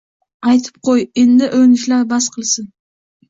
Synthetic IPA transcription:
ajt̪ʰɪ̥p̚qʰojend̪ɪʔɵnɪʃlaɾbasqʰɨlˠsɪn

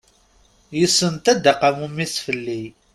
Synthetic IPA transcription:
jəsːənt̪æd̪aqamumiθfəlːi

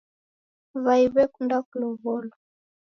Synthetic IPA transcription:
βaiβɛkundakulɔβɔlɔ

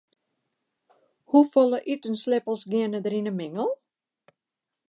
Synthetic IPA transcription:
hufɔlˠəʔitənslɪpəlˠsɡɪənədəɾinəmɪŋəlˠ

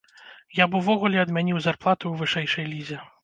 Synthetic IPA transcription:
jabuvɔɣulʲɛɐd̪mʲanʲiwzarplˠat̪uwvɨʂɛjʂɐjlʲizʲɛ

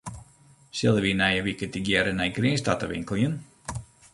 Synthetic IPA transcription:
səlˠəʋinɛjəʋikətiɡjɛɾənɛjɡriənstatəʋɪ̰ŋkəlˠjən

